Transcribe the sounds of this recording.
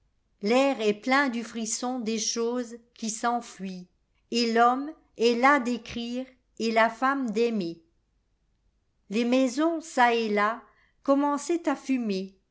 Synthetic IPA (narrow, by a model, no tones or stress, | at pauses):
lɛːʁɛplɛ̃d̪yfχisɔ̃d̪eʃoːzkʲisɑ̃fɥi | elɔm | ɛlad̪ekχiːʁ | elafamd̪ɛme | lemɛzɔ̃saela | kɔmɑ̃sɛt̪afyme